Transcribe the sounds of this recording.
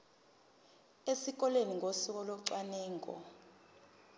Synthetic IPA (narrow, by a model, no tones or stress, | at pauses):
esik̬ɔleniŋʱosuk̬ɔloǀwanɛːŋkʼɔ̰